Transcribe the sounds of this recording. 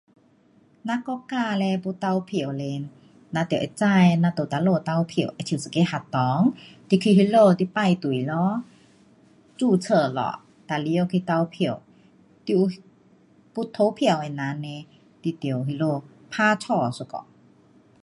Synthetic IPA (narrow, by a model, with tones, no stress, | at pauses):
na˧˥kɔ˧˦kaː˧˨lɛ˧pu˧˦t̪a˧wpʰi˧˨ə˨wle˧˦nː | a˧˥t̪i˨ʔt͡sa˧˨jna˧˥t̪o˨˩t̪a˧loː˧t̪a˧˨wpʰi˧˨˩ə˨wʔa˧t̪ʰi˧˨sə˨ke˧˦ha˧˩t̪ːɔː˨˦ŋt̪i˧kʰi˧˨hi˧˥lo˧t̪i˧˦pa˧˨jt̪u˨˩˨jlɔ˧˦ | t͡suː˧˩t͡sʰə˧˩lɔ̰˧˨ | t̪a˧˨li˧˦o˧kʰi˧˨t̪a˧wpʰi˧˨ə˨w | t̪i˧ | pu˧˦t̪ʰo˧˦pʰi˧˨ə˨wha˨na˧˦nɛ˧ | t̪i˧˨t̪i˨ə˨wɦi˧lo˧˨ | pʰaː˧˨t͡ɕʰɔː˧˩su˧˨kɔ̰˧˨